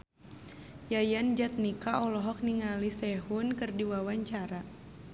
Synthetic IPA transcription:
jajand͡ʒat̪̚nikaʔɔlɔɦɔk̚niŋalisɛɦunkɨrdiwawaɲt͡ʃaɾa

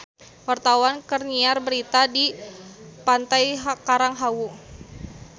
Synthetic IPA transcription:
wart̪awankərniarbəɾit̪adi | pant̪ajɦkaɾaŋɦawu

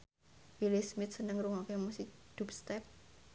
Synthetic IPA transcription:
wilismɪt̪̚sənəŋɾuŋokemusikd̪̥up̚st̪ɛp̚

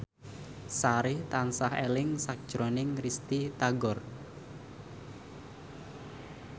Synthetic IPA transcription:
saɾɪht̪ansahḛlɪŋsak̚d̥ʒ̥ɾonɪŋrist̪it̪aɡɔr

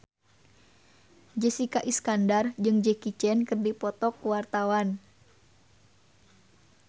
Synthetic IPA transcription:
d͡ʒɛsikaʔiskandard͡ʒɨŋd͡ʒɛkit͡ʃɛnkɨrdipɔt̪ɔkːuwart̪awan

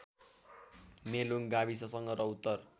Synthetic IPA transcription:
meluŋɡabisʌsʌŋɡʌɾʌut̪ːʌr

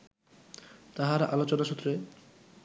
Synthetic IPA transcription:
t̪aɦaɾʔalot͡ɕonaʃut̪ːɾe

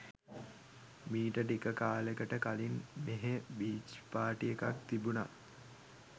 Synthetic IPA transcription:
miːʈəʈikəkaːlekəʈəkalinmeɦebiːt͡ʃpaːʈijekak̚t̪ibuna

